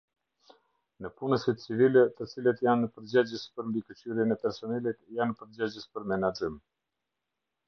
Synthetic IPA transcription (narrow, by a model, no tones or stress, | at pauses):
nəpunəsit̪t͡sivilɛt̪ət͡silət̪janəpəɾd͡ʑad͡ʑəspəɾmbikət͡ɕyɾjɛnɛpɛɾsɔnɛlit̪janpəɾd͡ʑad͡ʑəspəɾmɛnad͡ʒim